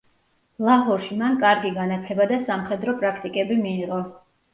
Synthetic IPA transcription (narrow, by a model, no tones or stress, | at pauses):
lˠaɦɔɾʃimankʼaɾɡiɡanat̪sʰɛbad̪asamχɛd̪ɾɔpʼɾakʰt̪ʼikʼɛbimiːʁɔ